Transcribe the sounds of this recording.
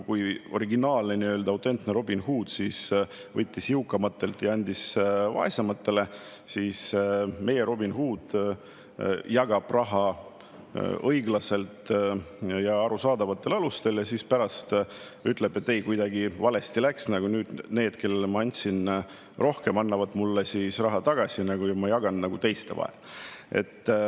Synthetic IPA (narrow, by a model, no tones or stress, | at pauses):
kujo̞ɾiɡinɑːlneniøːld̪ɑut̪ˑe̞nt̪neɾo̞binhuːd̪̥sisvɤt̪ʲːisiukːˑɑmɑt̪ːe̞lt̪ːjɑɑnʲd̪isvɑ̰esɑmɑt̪ːe̞le̞ | siːsme̞je̞ɾo̞binhuːd̪̥ | jɑɡ̥ɑb̥rɑɦɑ | ɤjɡlɑse̞lt̪ | jɑɑɾusɑːd̪ɑvɑt̪ːˑe̞lɑlust̪e̞ljɑsispæɾɑst̪yt̪ːˑleb̥e̞t̪ːe̞jkujd̪ɑɡivɑle̞st̪ilæksnɑɡ̥unyːd̪̥ne̞ːd̪̥ke̞lːelmɑɑnʲt̪sin | ro̞hkemɑnːɑvɑd̪mulːesisrɑɦɑt̪ɑɡ̥ɑsʲinɑɡujɑmɑjɑɡ̥ɑnːɑɡut̪e̞jst̪evɑ̰ḛlʔe̞̰t̪ː